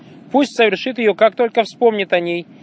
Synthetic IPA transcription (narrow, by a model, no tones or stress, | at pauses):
pusʲtʲsəvʲɪrʂɨt̪̬jɪjokak̚t̪o̞lʲkəfspo̞mnʲɪt̪ɐnʲej